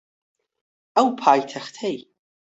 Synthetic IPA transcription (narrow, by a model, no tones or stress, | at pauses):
awpʰajtʰaχtʰej